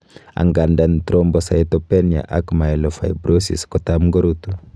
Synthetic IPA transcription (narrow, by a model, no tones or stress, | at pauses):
a̰ŋɡandantɾombɔsaitɔpɛnja̰ʔakmaɛlɔfajbɾosḭskɔtamɡoɾutu